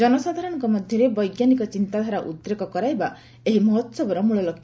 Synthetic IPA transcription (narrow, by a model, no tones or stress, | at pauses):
ɔnɔsad̪ʱaɾɔɽɔ̃ŋkɔmɔd̪ʱjɔɾebɔjɡjanikɔt͡ʃint̪ad̪ʱaɾaʔut̪ːɾekɔkɔɾajba | eɦimɔɦɔt̪sɔbɔɾɔmuɭɔlɔkʰ